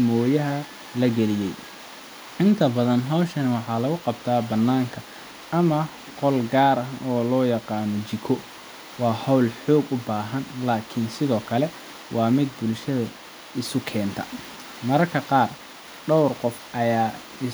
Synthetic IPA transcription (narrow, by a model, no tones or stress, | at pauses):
mɔːjɐɦɐ | lɐɡɛlɪjɛj | ʔɪnt̪ʰɐbɐðɐnɦɔwʃɐnɪwɑħɑːlɐɣʊqɑbt̪ʰaːbɐnːaːŋkʰɐ | ɐmɐ | qɔlɡaːɾɐɔːlɔːjɑqɑːnɔt͡ʃɪkʰɔ | wɑːhɔwlħɔːɡʊbaːɦɐnlaːkʰɪnsɪðɔːkʰɐlɛ | wʔɑːmɪd̪̚bʊlʃɐðɐ | ɪsʊkʰɛːnt̪ʰɐ̰ | mɐɾɐrkʰɐqɑːr | ɖɔwrqɔfʔɐjaː | ɪ